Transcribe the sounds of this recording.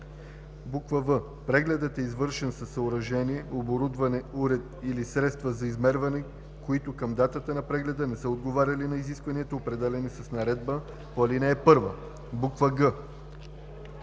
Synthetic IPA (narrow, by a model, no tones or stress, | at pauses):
bukvəvə | pɾɛɡlɛd̪ət̪ɛizvɤɾʃɛnsɐsːɐoɾɐʒɛniɛoboɾud̪vɐnɛuɾɛt̪̚ilisɾɛt̪st̪vəzɐizmɛɾvɐnɛ | koit̪okɐmd̪at̪ət̪ənɐpɾɛɡlɛd̪ənɛsəod̪ɡovaɾʲɐlinɐiziskvɐniɛt̪oːpɾɛd̪ɛlʲɛnisɐsnɐɾɛd̪bə | poɐlinɛːpɤɾvə̰ | bukvəɡə